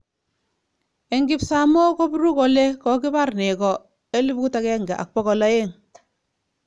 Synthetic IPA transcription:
e˨ŋɡi˦psa˨mo˦ko˦bɾu˦ko˨le˦kɔ˨ki˦ba˦rne˨kɔ˨ | e˦lu˦p̚ku˦ta˦kɛ˦ŋɡa˨ʔa̰˨k̚pɔ˦kɔ˨la˦je˦˨ŋ

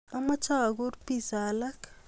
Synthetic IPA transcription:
ama˦t͡ʃa˦˨ɡu˦ɾpi˦sa˨la˦k

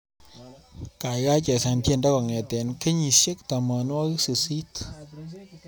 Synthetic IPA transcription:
ka˨jɣa˦t͡ʃɛ˨sa˧nt̪je˧˨nda˦kɔ˨ŋɛ˨t̪ɛ˨nke˦ɲi˧se˦k̚t̪a˨mɔ˧nwa˦ɣsɨ˧si˦t

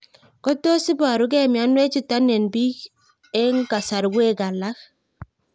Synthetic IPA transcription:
ko˦to˦sɪ˦ba˨ɾu˨˦kɛ˦˨mja˨˦nwe˦t͡ʃi˦˨ta˦ne˨nbi˦k | e˦ŋka˨sa˨ɾwe˦ɡa˨la˦k

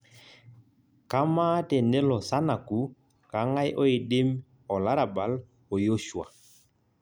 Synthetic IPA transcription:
ka˦ma˦tɛ˨ne˦lɔ˨sa˦na˨ku˨˦ | ka˨˦ŋa˦jʔɔ˦ɪ˨dɪ˦m | ɔ˨la˦ɾa˨ba˨l | ɔ˨jo˦ʃwa̰˨

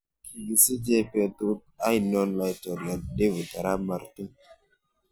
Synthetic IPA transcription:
ki˨ɡi˨si˦d͡ʒe˦pe˨tu˦t̚a˦i˨nɔ˦nla˨jto˨ɾja˨de˦vu˨ta˨ɾa˦ma˨ɾti˦

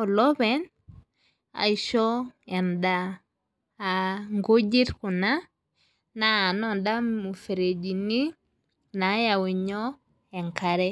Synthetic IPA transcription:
ɔ˨lɔ˦bɛ˨n | a̰˨i˨ʃɔ˦ɛ˨ndaː˨ | ŋɡo˦d͡ʒi˦ɾkʊ˨na˦ | naː˨nɔ˦nda˦mu˨fe˨ɾe˨d͡ʒi˨ni˦ | na˨˦ja˨wi˨ɲɔ˦ | ɛ˨ŋka˨ɾɛ˦

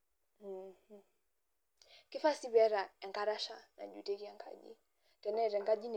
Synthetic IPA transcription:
ki˦fa˦si˦βɛ˦ɾa˨a˨ŋka˨ɾa˦ʃa˦na̰˨ʄṵ˨tɛ˦ki˦a˨ŋɡa̰˦ʄḭ˨ | tɛ˨na˦i˨ɾɛ˨ŋɡa˦ʄi˦ni˨

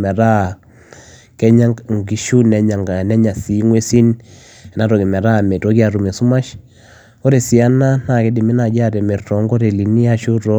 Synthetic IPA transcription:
mɛ˨ɾa˦˨ | kɛ˦ɲa˦ŋɡi˨ʃu˦nɛ˨ɲa˨ŋɡa˨nɛ˦ɲa˨si˨˦ŋwe˦si˦n | ɛ˨na˦ɾɔ˨kɛ˨mɛ˨ɾa˦˨me˨tɔ˦ki˦a˨ɾu˨me˨su˦ma˦ʃ | ko˦ɾe˨si˨a˦na˦na˨kɛ˦di˨mi˦na˨d͡ʒa˦ɾɛ˨mɛ˨ɾtɔ˨˦ŋɡo˦ɾe˨li˨ni˦a˦ʃu˦ɾɔ˦

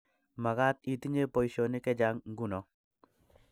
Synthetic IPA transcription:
ma˨ɣa˦t̪i˨t̪i˦ɲe˦po˨jʃo˨ni˦kɛ˦d͡ʒa˦ŋŋ˦ɡu˦nɔ˨

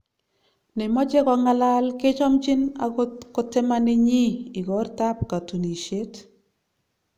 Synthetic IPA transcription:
ne˨mɔ˦t͡ʃe˦kɔ˨ŋa˦la˦lkɪ˦t͡ʃɔ˦mt͡ʃi˦na̰kotɪ˦mani˦ɲi˦i˨ɡɔɾta˦p̚ka˨tu˨ni˨ʃe˦t

